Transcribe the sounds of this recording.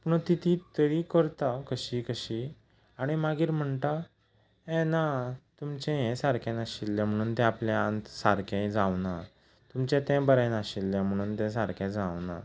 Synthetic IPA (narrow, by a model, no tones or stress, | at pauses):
puɳt̪it̪ʰit̪əɾikəɾt̪akəɕiːkəɕi | aɽ̃imaɡiːɾm̤əɳt̪a | ɛ̃nat̪umt͡ɕɛ̃ɦɛ̃saɾkẽnaɕilːɛ̃m̤əɽ̃uːnt̪ɛ̃apljaant̪saɾkʰãd͡zawna | t̪umt͡ɕɛ̃t̪ɛ̃bəɾɛ̃naɕilːɛ̃m̤əɽ̃uːnt̪ɛ̃s̬aɾkɛ̃d͡zawna̰